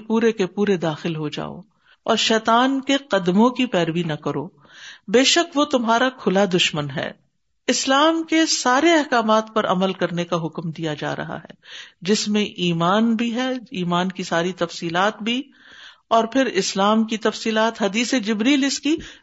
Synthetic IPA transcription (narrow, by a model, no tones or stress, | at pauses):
puːɾekepuːɾed̪aːxɪlɦod͡ʒa̰ːo̰ | ɔ̰ːɾʃɛːt̪aːnkeqɐd̪mõkipɛːɾʋinɐkɐɾo̰ː | beːʃəkʋot̪ʊmɦaːɾakʰʊlad̪ʊʃmənɦɛ̰ː | ɪslaːmkesaːɾeɛɦkaːmaːt̪pɐɾʔɐ̰məlkɐɾnekaɦʊkmd̪ijad͡ʒa̰ːɾɐ̰ɦa̰ɦɛ̰ːd͡ʒɪsmẽʔiːmaːnbʱiɦɛiːmaːnkisaːɾit̪ɐfsiːlaːt̪bʱi | ɔːɾpʰɪɾɪslaːmkit̪ɐfsiːlaːt̪ɦɐd̪iːsed͡ʒɪbɾiːlɪski